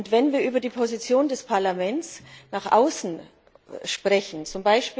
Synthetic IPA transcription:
ntvɛnviːɐʔyːbɐdiːpʰozit͡sjoːndɛspʰaɐlamɛnt͡snaːχʔa̰ʊsn̩ | ʃpʁ̥ɛçn̩t͡sʊmbaɪʃpiː

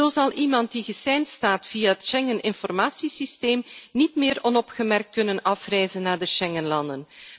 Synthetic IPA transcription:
oːzɑlˠʔimɑnt̚diɣəsɛjnstaːtfijaɦətʃɛŋənʔɪnfɔrmaːsisisteːmnitmɪːɾɔnɔpχəmɛrk̚t̚kɵnənɑfrɛjzənːaːɹdəʃɛŋənlɑndən

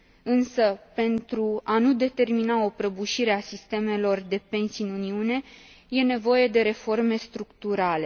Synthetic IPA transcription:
ɨnsəpe̞nt̪ɾuanud̪e̞t̪e̞rminao̞pɾəbuʃiɾe̞asist̪e̞me̞lo̞rd̪e̞pe̞nsiɨnuniune̞ | je̞ne̞vo̞je̞d̪e̞ɾe̞fo̞rme̞st̪ɾukt̪uɾale̞

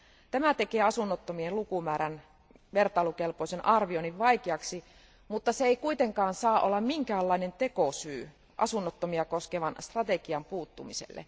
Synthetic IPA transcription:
t̪æmæt̪ekeːɑsunːot̪ːomielukumæːɾæn | ʋert̪ɑilukelpoisenʔɑrʋioniʋʋɑikeɑksi | mut̪ːɑseeikuit̪eŋkɑːnsɑːʔolːɑmmiŋkæːlːɑinent̪ekosyː | ʔɑ̰sunːot̪ːomiɑkoskeʋɑnst̪rɑt̪ekiɑmpuːt̪ːumisḛlːḛ

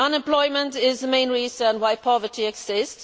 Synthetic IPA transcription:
ʌ̃nɛ̃mpl̥ɔɪmə̃ntɪzðəmẽɪ̃nɹiːzə̃nwaɪpʰɒvətʰiɛɡz̥ɪsts

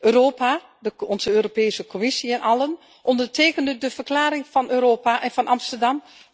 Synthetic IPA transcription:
ʔøːroːpa | dəɔnzəøːropeːsəkʰomɪsiɛnʔɑlən | ʔɔndərteːkəndədəv̥ərklaːɾɪŋfɑnøːɾoːpaʔɛnvɑnʔɑmstərdɑm

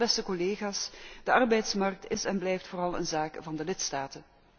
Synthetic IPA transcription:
ɛstəkɔleːχaːsd̥əɑrbɛjtsmɑrk̚tɪsɛnblɛjftfoːrɑlˠə̰nzaːkvɑndəlɪtstaːtən

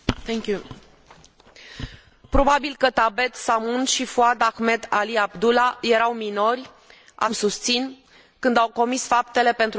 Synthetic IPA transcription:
t̪ɛŋku | pɾo̞babilkət̪abe̞t̪samunʃifuad̪axme̞d̪aliabd̪ulaje̞ɾawmino̞rʲ | ʔa̰msust̪sin | kɨnd̪awko̞misfapt̪e̞le̞pe̞nt̪ɾ

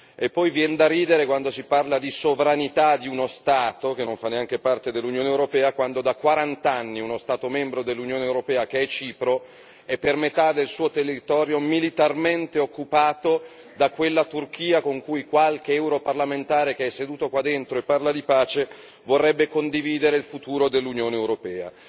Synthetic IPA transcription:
epːɔjvjɛnd̪aɾiːd̪eɾekwand̪osiparlad̪isovɾanit̪ad̪iunost̪aːt̪ok̟enːoɱfanːeaŋk̟epart̪ed̪elːunjoːneːwɾopɛːakwand̪od̪akwaɾant̪anːiunost̪aːt̪omɛmbɾod̪elːunjoːnewɾopɛːak̟eɛt͡ʃiːpɾo | ɛpːermet̪ad̪elsuːot̪erit̪ɔːɾjomilit̪arment̪eokːupaːt̪o | d̪akwelːat̪urk̟iːakoŋkujkwalk̟eɛwɾoparlament̪aːɾek̟eɛsːed̪uːt̪okwad̪ːent̪ɾoepːarlad̪ipaːt͡ʃe | vorːɛbːekond̪iviːd̪eɾeilfut̪uːɾod̪elːunjoːneːwɾopɛːa̰

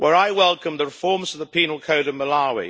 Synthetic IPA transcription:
wʔəɹaɪwɛlˠkə̃mðəɹɪfɔɹmzʌvðəpʰinəl̩ˠkʰoʊɾʌvməlɑwḭ

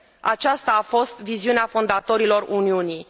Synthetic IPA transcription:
a̰t͡ʃast̪aːfo̞st̪viziuneafo̞nd̪at̪o̞ɾilo̞runiuni

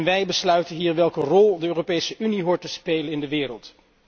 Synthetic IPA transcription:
nʋɛjbəslœɥtənɦiːɹʋɛlˠkərɔlˠdəøːropejsəʔyniɦʊːɹtəspejlənɪndəʋɪːɾə̰lˠt

